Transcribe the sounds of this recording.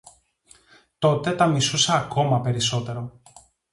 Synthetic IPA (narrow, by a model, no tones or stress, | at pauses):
t̪o̞t̪e̞t̪ɐmisusɐːko̞mɐpe̞ɾiso̞t̪e̞ɾo̞